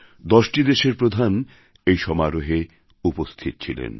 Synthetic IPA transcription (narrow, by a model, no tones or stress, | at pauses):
d̪ɔʃʈid̪eʃeɾpɾod̪ʱan | ejʃɔmaɾoɦe | upost̪ʰit̪ot͡ɕʰilḛn